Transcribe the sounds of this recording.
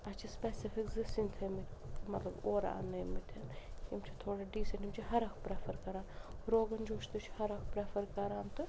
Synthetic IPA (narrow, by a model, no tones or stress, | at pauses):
ɐt͡ʃʰispɛːsifʰikzɨsint̪ʰɐmit̪mɐt̪lɐboːɾa̰a̰nɐːmit̪ʰɐnhimt͡ʃʰit̪ʰoːɽɐɖiːsɐnʈimt͡ʃʰiɦɐɾɐkʰpɾefʰɐɾkɐɾaːnɾoːɡɐnd͡ʒoːʃt̪ɨt͡ʃʰhɐɾɐkʰpɾefʰɐɾkɐɾaːnt̪ɨ